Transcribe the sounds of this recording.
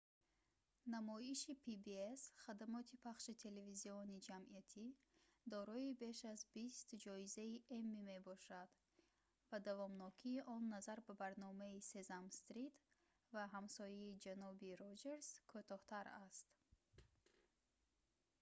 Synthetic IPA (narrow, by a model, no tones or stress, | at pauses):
namɔiʃipʰibiesχad̪amɔt̪ʰipʰaχʃit̪ʰe̞leviziɔnid͡ʒamiat̪ʰi | d̪ɔɾɔibe̞ʃazbist̪d͡ʒɔizaiʔemːime̞bɔʃad̪ | vad̪avɔmnɔkʰiːʔɔnːazaɾbabaɾnɔmaise̞zamst̪ɾit̪ | vaɦamsɔjiid͡ʒanɔbiɾod͡ʒe̞ɾz̥kʰot̪ʰɔht̪ʰaɾast̪